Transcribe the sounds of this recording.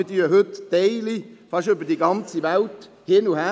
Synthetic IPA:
ɪdyːəɦɵtːɛɪlifɑʃøbədiəɡɑnt͡siʋælt | hɪnuhæ

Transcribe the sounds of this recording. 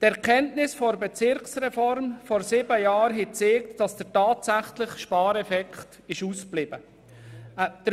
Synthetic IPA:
tɛɾkʰɛntnɪsfɔɾbet͡sɪɾksɾɛfɔɾmfɔɾsɪbəjɑːɾɦɛt͡seːktd̥ɑsd̥əɾtɑːtsæχlɪχʃpɑːɾɛfɛkχt | ɪʃuːsplɪb̥ə | d̥ə

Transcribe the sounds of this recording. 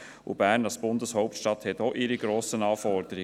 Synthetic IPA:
ṵbæːɾnɑlsb̥ʊndəshɔʊp̚tʃtɑthɛtoʔɪɾiɡɾoːsənɑːfɔɾdəɾɪ

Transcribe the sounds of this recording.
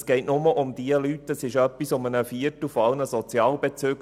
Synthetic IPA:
sɡ̥ɛɪtnʊməʔʊmd̥iəlytəsɪʃœpːisʊmənəfiətəfoɑlnəsɔt͡sjɑːlbet͡søːɡ

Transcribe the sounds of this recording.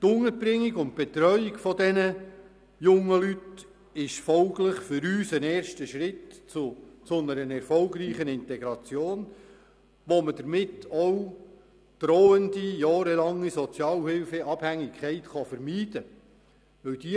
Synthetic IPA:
t̪ʊŋəɾb̥ɾɪŋːiɡʊnt̚b̥ɛt̪ɾœʏikfɔd̪ɛnə | jʊŋːəlyt | ɪʃfɔlɡlɪχfʏɾyːsənɛːɾʃtəʃɾɪtt͡sʊt͡sʊnəɾənɛɾfɔlɡɾiːχənɪnt̪ɛɡɾɑt͡sjoːn | ʋɔməd̥əɾmɪtɔw | d̪̥ɾoːənd̪ijɑːɾɛlɑŋːisɔt͡sjɑːlhɪlfɛʔɑb̥hæŋːɪkʰχɛɪtχɑfəɾmiːd̥ə | ʋɵwd̥̪i

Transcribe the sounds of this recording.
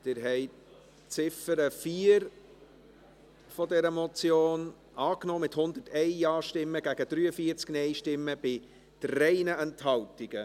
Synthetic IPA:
d̪̥ɪɾɦɛɪt | t͡sɪfəɾəfiːəɾ | fɔdɛɾəmɔt͡sjoːn | ɑːknɔːmɪthʊnd̪ərtɛɪɑːʃtɪmːəɡ̥æɡəd̪ɾyːəfiːəɾt͡sknɛɪʃtɪmːəb̥ɪ | tɾɛɪnəʔɛnthɑltɪɡ̥ə

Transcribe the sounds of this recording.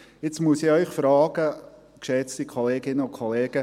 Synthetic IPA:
ɪt͡smusɪœʏχfɾɑːɡ̥ə | kʃɛt͡stikʰoleːɡɪnəʊnkʰoleːɡ̥ə

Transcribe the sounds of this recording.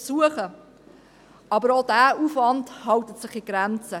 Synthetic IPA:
suəχə | ɑbəɾodæːuːfvɑndhɑwtətsɪχiɡ̥ɾɛnt͡sə

